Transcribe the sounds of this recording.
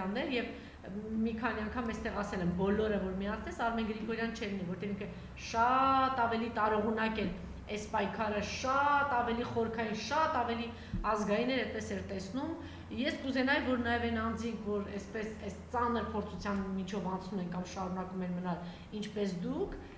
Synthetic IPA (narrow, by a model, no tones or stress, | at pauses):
nːɛɾjɛv | mikʰɑniɑŋkʰɑmɛst̪ɛʁɑsɛlɛmbɔlɔɾəvɔɾmiɑsʰnɛsɑɾmɛnɡɾikʰɔɾjɑnt͡ʃʰɛlinivɔɾt̪ɛviŋkʰə | ʃɑt̪ɑvɛlit̪ɑɾɔʁunɑkɛl | ɛspɑjkʰɑɾəʃɑt̪ɑvɛliχɔɾkʰɑjinʃɑt̪ɑvɛli | ɑzɡɑjinɛɾɛt̪̚pɛsɛɾt̪ɛsnum | jɛskuzɛnɑjɛvɔɾnɑjɛvɛnɑnd͡zikʰvɔɾɛspɛsɛst͡sɑnəɾpʰɔɾt͡sʰut͡sʰjɑnmit͡ʃʰɔvɑnt͡sʰnumɛnkɑmʃɑɾunɑkumɛɾmənɑl | int͡ʃʰpɛs̬d̪ukʰ